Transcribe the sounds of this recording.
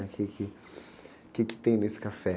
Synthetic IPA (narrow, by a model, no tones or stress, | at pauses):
ɐkʰɪkʰɪ | kɪkɪ̥t̪ẽj̃nesɪ̥kafɛ